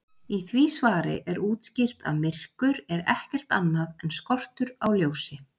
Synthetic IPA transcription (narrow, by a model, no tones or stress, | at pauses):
iθviːsvaːɾɪ̰ʔɛɾuːt̪scɪl̥t̪a̰ðmɪr̥kʏɾɛɾɛhcɛr̥t̪anːaðɛnskɔr̥t̪ʏɾawljoːwsɪ